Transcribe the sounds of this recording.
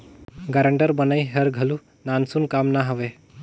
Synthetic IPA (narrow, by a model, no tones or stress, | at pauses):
ɡaɾəɳʈəɾbənajɦəɾɡʱəlu | nansunkamnaɦəʋe